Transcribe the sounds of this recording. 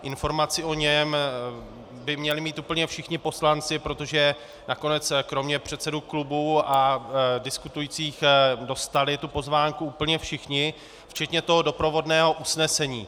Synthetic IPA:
ʔɪnfo̞ɾmat͡sɪʔo̞ɲɛm | bɪmɲɛlɪmiːt̪uːpl̩ɲɛfʃɪxɲɪpo̞slant͡sɪpɾo̞t̪o̞ʒɛ | nako̞nɛt͡skɾo̞mɲɛpr̝̥ɛt̪sɛduklubuadɪskut̪ujiːt͡siːxdo̞st̪alɪt̪upo̞zvaːŋkuuːpl̩ɲɛfʃɪxɲɪ | ft͡ʃɛt̪ɲɛt̪o̞ɦo̞do̞pɾo̞vo̞dnɛːɦo̞ʔusnɛsɛɲiː

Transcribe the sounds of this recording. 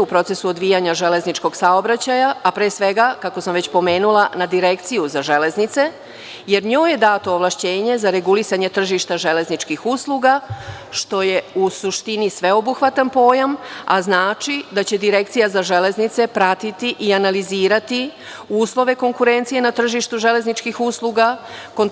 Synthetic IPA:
upɾo̞t̪se̞suod̪ʋijaɲaʒe̞le̞znit͡ʃko̞ɡ̥saobɾat͡ɕajaːpɾeːsʋe̞ɡakako̞samʋet͡ɕpo̞meːnulˠanad̪iɾe̞kt̪sijuzaʒe̞le̞znit̪se̞ | je̞ɾɲoːje̞d̪aːt̪oːʋlˠaʃt͡ɕe̞ːɲe̞zaɾe̞ɡulisaɲet̪r̩ʒiʃt̪aʒe̞le̞znit͡ʃkixuːslˠuɡa | ʃt̪o̞je̞usuʃt̪inisʋe̞o̞buxʋat̪anpo̞ːjama̰znaːt͡ʃid̪at͡ɕe̞d̪iɾe̞k̚t̪sijazaʒe̞le̞znit̪se̞pɾat̪it̪iʔianaliziːɾat̪i | uːslˠo̞ʋe̞ko̞ŋkuɾe̞nt̪sije̞nat̪r̩ʒiʃt̪uʒe̞le̞znit͡ʃkixuːslˠuɡakon

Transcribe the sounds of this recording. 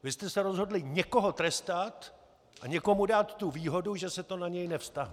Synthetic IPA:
vɪst̪ɛsɛɾo̞zɦo̞dlɪɲɛko̞ɦo̞t̪ɾɛst̪at̪ | ʔaɲɛko̞mudaːt̪ːuviːɦo̞duʒɛsɛt̪o̞naɲɛjnɛfst̪aɦnɛ

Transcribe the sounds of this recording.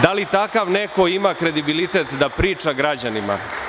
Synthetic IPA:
d̪alit̪akaʋnekoimakɾe̞d̪ibilit̪et̪d̪apɾiːt͡ʂaɡɾad͡ʑanima̰

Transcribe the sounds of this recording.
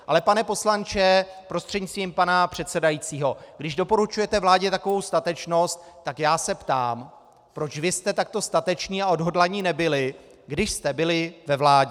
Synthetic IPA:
ʔalɛpanɛpo̞slant͡ʃɛpɾo̞st̪r̥ɛdɲɪst̪viːmpanapr̝̥ɛt̪sɛdajiːt͡siːɦo̞ɡdɪʒdo̞po̞ɾut͡ʃujɛt̪ɛvlaːɟɛt̪ako̞vo̞wst̪at̪ɛt͡ʃno̞st̪̚ːakjaːsɛpt̪a̰ːm | pɾo̞t͡ʃvɪst̪ɛt̪ak̚t̪o̞st̪at̪ɛt͡ʃniːaodɦo̞dlaɲiːnɛbɪlɪ | ɡdɪʃst̪ɛbɪlɪvɛvlaːɟɛ

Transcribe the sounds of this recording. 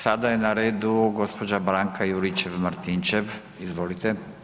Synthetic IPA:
sad̪ajenaɾeːd̪uɡo̞spo̞d͡ʒabɾaŋkʰajuɾit͡ʃeʋmaɾt̪int͡ʃeʋ | izʋolit̪e

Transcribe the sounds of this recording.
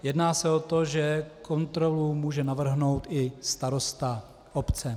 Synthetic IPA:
jɛdnaːsɛot̪o̞ʒɛkʰo̞nt̪ɾo̞lumuːʒɛnavr̩ɦno̞wt̪ɪst̪aɾo̞st̪a | ʔopt͡sɛ

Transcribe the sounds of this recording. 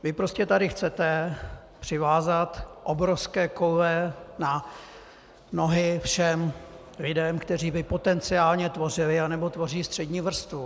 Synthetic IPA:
vɪpɾo̞scɛt̪adɪxt͡sɛt̪ɛ | pr̝̥ɪvaːzat̪ʔobɾofskɛːkowvɛna | no̞ɦɪfʃɛm | lɪdɛmkt̪ɛriːbɪpo̞t̪ɛnt͡sɪaːlɲɛt̪vo̞rɪlɪanɛbo̞t̪vo̞riːst̪r̥ɛdɲiːvr̩st̪vu

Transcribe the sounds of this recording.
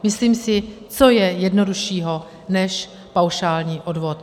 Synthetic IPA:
mɪsliːmsɪ | t͡so̞jɛjɛdno̞duʃiːɦo̞ | nɛʃ | pawʃaːlɲiːʔo̞dvo̞t̪

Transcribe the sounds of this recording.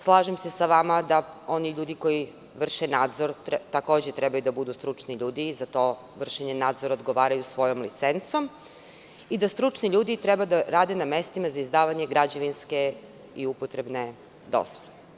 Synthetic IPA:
slˠaːʒemse̞saʋamad̪ao̞niʎuːd̪iko̞ji | ʋr̩ʃenaːd̪zoɾt̪ako̞ːd͡ʑet̪ɾɛbajud̪abud̪ust̪ɾut͡ʂniʎuːd̪iːzat̪o̞ | ʋr̩ʃeɲenaːd̪zoɾaod̪ɡo̞ʋaːɾajusʋo̞jo̞mlit̪sent̪so̞m | id̪ast̪ɾut͡ʃniʎuːd̪it̪ɾebad̪aɾaːd̪enamest̪imazaizd̪aːʋaɲe̞ɡɾad͡ʑaʋinske | iupot̪ɾe̞bne | d̪o̰zʋole

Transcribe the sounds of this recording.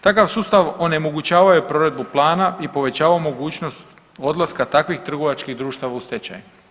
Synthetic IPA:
t̪akaʋsuːst̪aʋo̞ne̞mo̞ɡut͡ɕaːʋajupɾo̞ɾe̞d̪̚buplˠaːnaipo̞ʋe̞t͡ɕaːʋaomo̞ɡuːt͡ɕnost̪ | o̞d̪lˠaskat̪akʋixt̪r̩ɡoʋat͡ʃkiɣd̪ɾuːʃt̪aʋaust̪et͡ɕa̰ju

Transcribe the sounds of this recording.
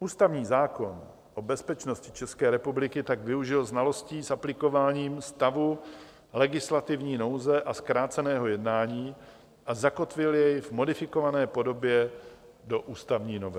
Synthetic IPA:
ʔuːst̪avɲiːzaːko̞n | ʔobɛspɛt͡ʃno̞scɪ̥t͡ʃɛskɛːɾɛpublɪkɪt̪aɡvɪuʒɪlznalo̞sciːsaplɪko̞vaːɲiːmst̪avu | lɛɡɪslat̪ɪvɲiːno̞wzɛʔaskɾaːt͡sɛnɛːɦo̞jɛdnaːɲiː | ʔazako̞t̪vɪljɛjvmo̞dɪfɪko̞vanɛːpo̞do̞bjɛ | do̞ʔuːst̪avɲiːnovɛ

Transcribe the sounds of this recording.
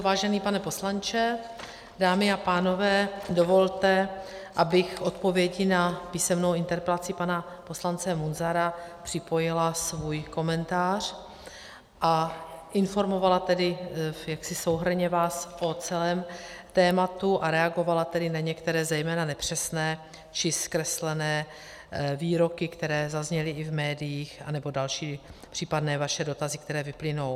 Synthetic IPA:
vaːʒɛniːpanɛpo̞slant͡ʃɛ | daːmɪapaːno̞vɛːdo̞vo̞lt̪ɛ | ʔabɪxʔo̞t̪po̞vjɛɟɪnapiːsɛmnowɪnt̪ɛɾpɛlat͡sɪpana | po̞slant͡sɛmunzaɾapr̝̥ɪpo̞jɪlasvujko̞mɛnt̪aːr̝̥ | ʔaʔɪnfo̞ɾmo̞valat̪ɛdɪjaksɪso̞wɦr̩ɲɛvaːsʔot͡sɛlɛːmt̪ɛːmat̪uʔaɾɛaɡo̞valat̪ɛdɪnaɲɛkt̪ɛɾɛːzɛjmɛːnanɛpr̝̥ɛsnɛː | t͡ʃɪskɾɛslɛnɛː | viːɾo̞kɪkt̪ɛɾɛːzazɲɛlɪɪvmɛːdɪjiːxa̰nɛbo̞dalʃiːpr̥iːpadnɛːvaʃɛdo̞t̪azɪkt̪ɛɾɛːvɪplɪno̞w

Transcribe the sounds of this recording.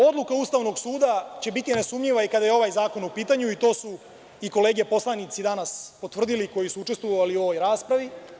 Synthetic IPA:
o̞d̪lˠukaust̪aːʋno̞ɡsuːd̪at͡ɕe̞bit̪inesumɲiʋaikad̪ajeo̞ʋaːjzaːko̞nupiːt̪aɲuit̪o̞ːsu | iko̞le̞ːɡepo̞slˠanit̪sid̪anaspot̪ʋr̩d̪iliko̞jisuut͡ʃe̞st̪ʋoʋaliuo̞ʋo̞jɾaːspɾaʋi

